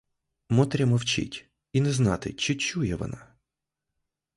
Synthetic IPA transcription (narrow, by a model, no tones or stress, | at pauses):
mɔt̪ɾʲɐmɔwt͡ʃɪ̰tʲ | inɛznɑt̪ɪ̰t͡ʃɪt͡ʃujɛʋɔ̰nɑ̰